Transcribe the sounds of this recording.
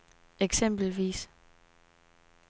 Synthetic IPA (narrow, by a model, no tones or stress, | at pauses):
eɡ̥sem̰b̥l̩ʋḭːs